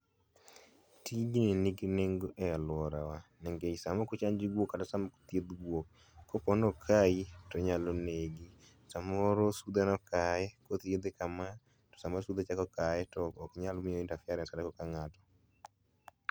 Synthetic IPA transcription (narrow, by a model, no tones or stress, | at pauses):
tid͡ʒineniɡineŋɡoʔɛalwɔɾawanɛŋɡeisamɔkut͡ʃaɲd͡ʒiɡwokatɔsamɔko̥t̪jed̪ɡwok̚ː | ɔpɔnɔkʰaitɔɲalɔneɡi | samɔɾosud̪ɛnɔkaɛkot̪jed̪ekama | tɔ̥samɔɾsud̪et͡ʃakɔkaɛtɔɔkɲalmɪjointafjaɾɛsadakɔkaŋatɔ̥